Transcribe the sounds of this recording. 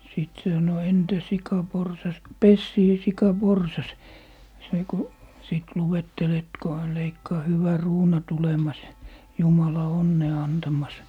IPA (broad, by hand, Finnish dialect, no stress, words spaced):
siˑt se sɑno entæ sikɑ porsɑs pesːie sikɑ porsɑs se ko siˑt luwetːel et ko hæn leikːɑː hyʋæ ruːnɑ tulemɑs jumɑlɑ onːeː ɑntɑmɑs